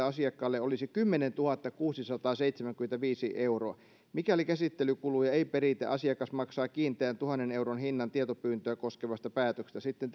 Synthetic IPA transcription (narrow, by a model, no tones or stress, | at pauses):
ɑsiɑkːɑːlːeolisikymːenent̪uhɑt̪ːɑkuːsisɑt̪ɑːseit̪semæŋkyment̪æʋiːsiʔeuroɑ | mikælikæsit̪ːelykulujɑeipeɾit̪ḛʔɑsiɑkɑsmɑksɑːkiːnt̪ˑeænt̪uhɑnːeneuɾonhinːɑnt̪iet̪opyːnt̪øækoskeʋɑst̪ɑpæːt̪økst̪æsit̪ːent̪